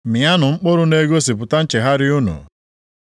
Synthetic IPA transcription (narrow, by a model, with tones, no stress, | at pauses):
mi˨a˦nʊ˨ŋ͡m̩˦k͡pʊ˦ɾʊ˦ne˦ɡo˦s̬i˨p̬ʊ˨ta˦n̩˦t͡ʃe˨ɦa˦ɾɪ˦ʊ˦nṵ˨